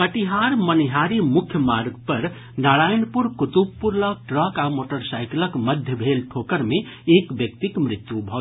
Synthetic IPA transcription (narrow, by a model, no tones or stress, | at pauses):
kəʈiɦaɾməniɦaɾimʊkʰjəmaɾɡpəɾ | naɽajnpuɾkut̪ubpuɾlək̚ʈɾəkamoʈəɾsajkləkməd̪ʱjəbʱelʈʰokəɾme | ekbjək̚t̪ikmɾɪt̪jubʱɔ